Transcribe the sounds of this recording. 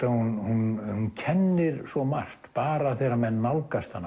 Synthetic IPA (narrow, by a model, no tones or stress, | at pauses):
t̪ahunhunhuncʰɛnːɪɾsvɔmar̥t̪paːɾaθɛɾamɛnːawlkast̪hanːa